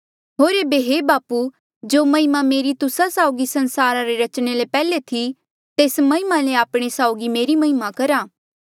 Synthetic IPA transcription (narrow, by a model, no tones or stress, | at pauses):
ɦoːɾebeɦebaːpu | d͡ʒoːmɐɦɪmameːɾit̪ʊsasaːʊɡisɐnsaːɾaɾeɾɐt͡ʃɽ̃elepɛːlet̪ʰi | t̪eːsmɐɦɪmaleaːpɽ̃esaːʊɡimeːɾimɐɦɪmakɐɾaː